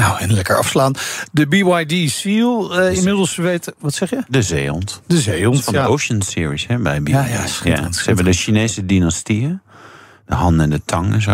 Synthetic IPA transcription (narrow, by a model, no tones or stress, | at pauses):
nawɛnlɛkəɹɑ̰fslaːndəbiwajdisilˠɪmɪdəl̩ˠsʋejtʋɔtsɛχjədəzeːɔ̰ntdəzejɔntfɔndəowʃənsɪːɹishɛbɛjbija̰səɛbədəʃineːsədinastiə | dəɦɑndɛndətʰɑŋɛnzo̰